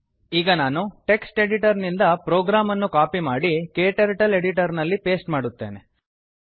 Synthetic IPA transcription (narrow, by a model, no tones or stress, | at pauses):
iːɡɐnaːnuʈe̞ksʈe̞ɽiʈɐɾnind̪ɐpɾoːɡɾaːmɐnːukaːpimaːɽikeːʈɐɾʈɐle̞ɽiʈɐɾnɐlːipe̞ːsʈmaːɽut̪ːe̞̰ːne